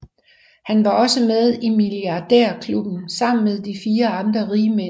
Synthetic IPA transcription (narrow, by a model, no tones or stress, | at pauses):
hænʋɑ̈ɒ̽səmeð̞ˠimiliɑ̈d̥eɐ̰kʰlub̥n̩sɑ̈m̰n̩með̞ˠd̥ifiːɐɑ̈nd̥ʁɐʁiːme